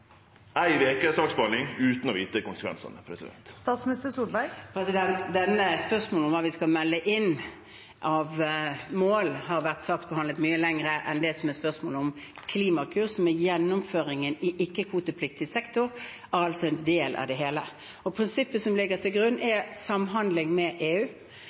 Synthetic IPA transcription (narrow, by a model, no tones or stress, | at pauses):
æɪʋeːkəsɑːksbɑnɪŋʉːt̪n̩ɔʋiːt̪əkʊnsə̥kʋɛ̰nsɑ̰nəpʰɾɛ̰sɪd̪ɛ̰nt̪st̪ɑːt̪smɪnɪst̪əsubæɪpʰɾɛsɪd̪ɛnt̪d̪ɛnːəspœʁsmoːlʊmʋɑːʋɪskɑlmɛlːəʔɪn | ʔɑʋmoːlhɑʁʋæʁt̪sʋɑːk̚t̪̚bəhɑnd̪lət̪myːəlɛŋʁəʔɛnd̪ɛsɔmɛspœʁsmoːləɔm | kʰliːmɑkʰʉːʁsɔmæjɛnːʊmføːʁɪŋənɪʔɪkːəkʰʋuːt̪əpʰlɪkt̪ɪsɛkt̪ʊʁ | æʁɑlsɔɛnd̪eːlʔɑ̰ʋd̪ɛɦeːlə | ɔpʰʁɪnsɪpːəsɔmlɪɡəʁt̪ʰɪlɡʁʉnːɛsɑmɦɑnd̪lɪŋmɛʔeːʉː